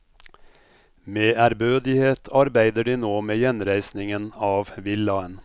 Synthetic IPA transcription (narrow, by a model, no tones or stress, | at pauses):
meːʔæɾbøːd̪ɪheːt̪ʰɑɾbæɪd̪əɖiːnoːmeːjɛnɾæɪsnɪŋənɑːʋʋɪlɑən